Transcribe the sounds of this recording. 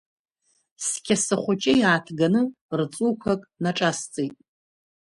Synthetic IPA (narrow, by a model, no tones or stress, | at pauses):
skʲʰasɨχʷʊt͡ʃʼɪjaːtʰɡanɨ | rt͡sʼukʷʰakʼnaʈ͡ʂʼast͡sʼejtʼ